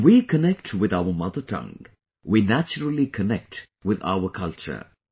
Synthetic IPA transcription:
wikənɛk̚ʈʰwɪd̪aʊəmʌd̪ətʰʌ̰̃ŋ | winæt͡ʃəɾəl̩ikʰənɛk̚ʈ | wɪd̪a̰ʊəkʰʌlt͡ʃə̰˞

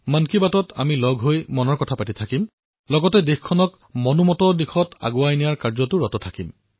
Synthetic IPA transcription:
mankibatɔtʰamilɔɡʱɦojmɔnɔɹkɔtʰapatitʰakim | lɔɡɔtɛdexkʰɔnɔk | mɔnumɔtɔdixʰɔta̰ɡuajnijaɹkaɹzɔtʊɹɔtɔtʰakim

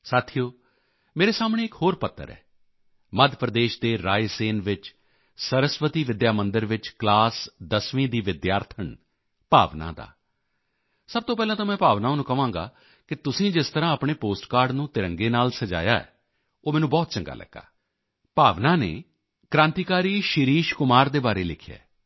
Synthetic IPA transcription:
saːt̪ʰijoː | meːɾeːsaːmɳ̃eːɪkhoːɾpət̪ʰːə̰ɾɛ̰ː | məd̪ʱpɾəd̪eːʃd̪eːɾaːjseːnʋɪt͡ʃ | səɾəsʋət̪iːʋɪd̪jaːmənd̪əɾʋɪt͡ʃklaːsd̪əsʋĩːd̪iːʋɪd̪jaːɾt̪ʰəɳ | paːʋna̰ːd̪a̰ː | səb̚t̪oːpɛːlãːt̪ãːmɛ̃ːpaːʋnãːnũːkəʋãːŋɡa̰ː | kɪt̪ʊsĩːd͡ʒɪst̪əɾãːəpɳeːpoːsʈkaːɾɖnũːt̪ɪɾəŋɡeːnaːlsəd͡ʒa̰ːja̰ːɛ̰ː | oːmɛːnũːbɔːt̪̚t͡ʃəŋɡa̰ːlʔə̰ɡːa̰ː | paːʋnãːnḛː | kɾãːnt̪iːkaːɾiːʃɪɾiːʃkʊmaːɾd̪eːbaːɾeːlɪkʰjḛː

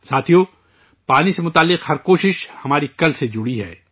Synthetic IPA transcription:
saːt̪ʰijo | paːnisemʊt̪aːlːɪqhɐɾkoːʃɪʃhɐmaːɾikɐlsed͡ʒʊɽiɦɛ̰ː

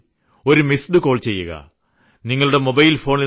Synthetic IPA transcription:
o̞ɾumisɖɨko̞ːɭt͡ɕe̞jːuɣɐ̰ | niŋːɐɭuɽe̞mobɐjilfo̞ːɳil

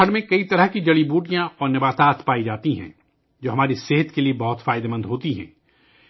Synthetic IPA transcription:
əɽmẽkɐit̪ɐɾəɦkid͡ʒɐɭibuːʈijãɔːɾnɪbaːt̪aːt̪paːid͡ʒaːt̪iɦɛ̰̃ː | d͡ʒoːɦɐmaːɾiseɦət̪keliebɐɦʊt̪faːɪd̪emɐ̃nd̪ɦoːt̪iɦɛ̰̃ː

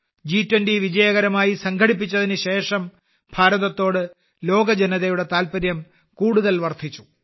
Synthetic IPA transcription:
d͡ʑiːtwɐndiʋid͡ʑɐjɐɣɐɾɐmaːjisɐŋkʰɐɽip̬ːit͡ɕːɐðinɨɕe̞ːʂɐm | bʱaːɾɐðɐt̪ːo̞ːɽɨ | lo̞ːɡɐd͡ʑenɐðɐjuɽe̞t̪aːlpɐɾjɐm | kuːɽuðɐlʋɐrt̪it͡ɕːu̥

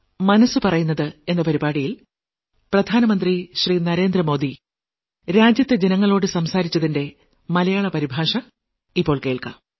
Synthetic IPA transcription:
mɐnɐsɨpɐrɐjunːɐðɨe̞nːɐpɐɾibaːɽijil | prɐd̪ʱaːnɐmɐnd̪riɕriːnɐɾe̞ːnd̪rɐmo̞ːd̪i | ɾaːd͡ʑjɐt̪ːed͡ʑenɐŋːɐɭo̞ːɽɨsɐmsaːɾit͡ɕːɐðinde̞ | mɐlɐjaːɭɐpɐɾibʱaːʂɐ | ipːo̞ːɭke̞ːɭka̰ːm

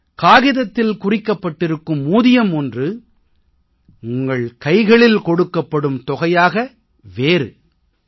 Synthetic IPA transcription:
kaːɣɪðɐt̪ːɪlkʊrɪkːɐpːɐʈːɪɾɯkːɯmːuːðɪjɐmɔndrɯ | ʊŋɡɐɭkɐɪɣɐɭɪlkɔɽɯkːɐpːɐɽɯmt̪ɔɣɐjaːɣɐ | ʋeːɾɯ

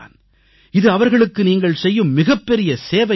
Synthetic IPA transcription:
n | ɪðɯɐʋɐɾɣɐɭɯkːɯniːŋɡɐɭsɛjːɯmːɪɣɐpːɛɾɪjɐseːʋɐ

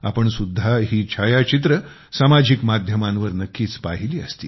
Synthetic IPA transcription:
a̰pəɳsud̪ʱːaɦiːt͡ɕʰajat͡ɕit̪ɾə | samad͡ʑikmad̪ʱjəmãnʋəɾnəkːiːt͡spaɦiliːəst̪iː

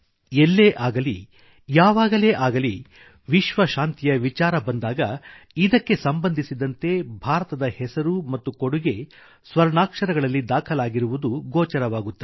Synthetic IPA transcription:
elːeːʔaːɡɐli | jaːʋaːɡɐleːʔaːɡɐli | ʋiʃʋɐʃaːnt̪ijɐʋit͡ʃaːɾɐbɐnd̪aːɡɐ | id̪ɐkːe̞sɐmbɐnd̪ʱisid̪ɐnt̪e̞bʱaːɾɐt̪ɐd̪ɐhɛsɐɾumɐt̪ːukoɽuɡe̞ | sʋɐɾɳaːkʂɐɾɐɡɐɭɐlːid̪aːkʰɐlaːɡiɾuʋud̪uɡɔːt͡ʃɐɾɐʋaːɡut̪ːe

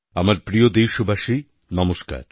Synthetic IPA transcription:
amaɾpɾijod̪ejʃobʱaʃi | nɔmoʃka̰ɾ

